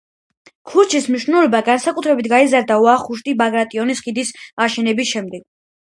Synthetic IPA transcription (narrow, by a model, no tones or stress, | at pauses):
kʰuɾt͡ʃʰismniʃnɛlɔbaɡansakʼut̪ʰɾɛbit̪ʰɡaizaɾd̪auaχuʃ̬t̪ʼibaɡɾat̪ʼiɔnisχid̪isaʃɛnɛbisʃɛmd̪ɛɡ̥̚